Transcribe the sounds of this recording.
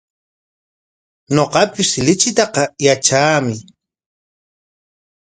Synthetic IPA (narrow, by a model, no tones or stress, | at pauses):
ɲoqɑpɪslɪt͡ʃɪt̪ɑqɑjat͡ʃaːmɪ